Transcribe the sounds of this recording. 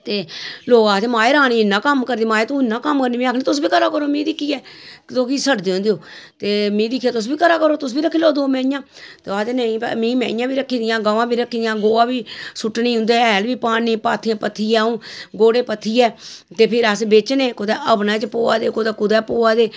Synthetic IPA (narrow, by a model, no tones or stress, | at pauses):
t̪eːloːɡaːt̪eːmaːeːɾaːniːɪnːãːkəmkəɾd̪iːmaːeːt̪ũːɪnːãːkəmkəɾniːmĩːaːkʰnĩːt̪ʊs̬biːkəɾaːkəɾoːmĩːd̪ɪkʰːiːɛːt̪oːkiːsəʈd̪eːõnd̪ejoːt̪eːmĩːd̪ɪkʰːaːt̪ʊs̬biːkəɾaːkəɾoːt̪ʊsbiːɾəkʰːiːloːd̪oːmɛ̃ːjãːt̪eaːt̪enəĩːpːmĩːmɛ̰̃ːjãːbiːɾəkʰːiːd̪ɪjãːɡaːʋãːbiːɾəkʰːiːd̪ɪjãːɡoːaːbiːsʊʈːnĩːɦʊ̃nd̪eːɛːlʋiːpaːniːpaːt̪ʰːiãːpət̪ʰːiːɛũːɡoːɽeːpət̪ʰːiːɛːt̪eːpʰɪɾasbet͡ʃneːkʊd̪ɛːʔəpnãːt͡ʃpoːaːd̪eːkʊd̪ɛːkʊd̪ɛːpoːaːd̪eː